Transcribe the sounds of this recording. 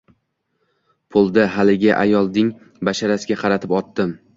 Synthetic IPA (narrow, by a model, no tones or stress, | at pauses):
pʰʊlˠd̪aɦalɪɡʲaʔa̰jɒlˠd̪ɪŋ | baʃaɾasɪɡʲaqʰɑɾat̪ʰɪpɒt̪ːɪm